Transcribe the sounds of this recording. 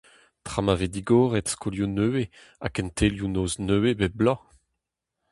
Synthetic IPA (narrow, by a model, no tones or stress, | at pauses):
tχamaved̪iɡoːʁɛtskʰoljonøwe | a̰kɛ̃ntʰeljunoːznøwebɛblɑ̃